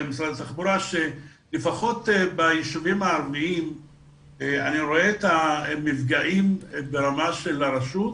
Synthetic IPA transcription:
emisɾad̪at̪aχbuɾaʃe | lefaχo̞t̪ebajiʃuvimaːɾmiim | eaniɾo̞eːt̪amivɡaʔimbeɾamaʃe̞laɾaʃut̪

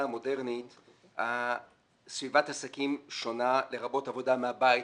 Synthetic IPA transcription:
amo̞de̞ʁnit | ha | svivatasakimʃo̞nale̞ʁabo̞tavo̞dameabai

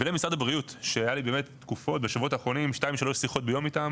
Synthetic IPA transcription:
velemisʁadabʁijutʃeajalibe̞ːme̞tːkufo̞t̚beʃavuo̞taːχʁo̞nimʃtaimʃelosiχo̞t̚bejo̞mitam

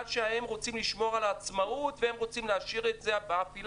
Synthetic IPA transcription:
dʃeahemʁot͡simliʃmo̞ʁalat͡smautvehemʁot͡simleaʃiʁet̪zebafil

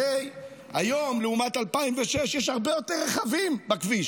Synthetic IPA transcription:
ej | hajo̞mleumatalpaimveʃeʃjeʃhaʁbejo̞teʁːeχavimbakviʃ

